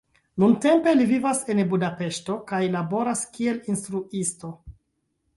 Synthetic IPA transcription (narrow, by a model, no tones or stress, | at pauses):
nunte̞mpe̞livivase̞nbudape̞ʃto̞kajlabo̞ɾaskie̞linstɾuisto̞